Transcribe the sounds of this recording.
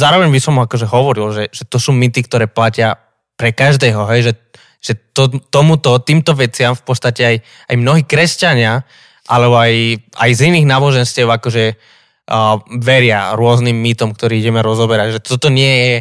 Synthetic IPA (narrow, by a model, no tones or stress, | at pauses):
zaːɾɔʋɛɲbisɔmɦɔakɔʒɛɦɔʋɔɾilʒɛʒɛt̪ɔsuːmit̪ikt̪ɔɾɛːplacɪa | pɾɛkaʒd̪ɛːɦɔɦɛjʒɛ | ʒ̥ɛt̪ɔt̪ɔmut̪ɔt̪iːmt̪ɔʋɛt͡sɪamfpɔt̪st̪acɛaj | ajmnɔɦiːkɾɛscaɲɪa | ʔalɛbɔaja̰jziniːɣnaːbɔʒɛnscɪɛʊakɔʒɛ | ʋɛɾɪaɾʊɔzniːmːit̪ɔmkt̪ɔɾiːiɟɛmɛɾɔzɔbɛɾaɟʒɛt̪ɔt̪ɔɲɪɛjɛ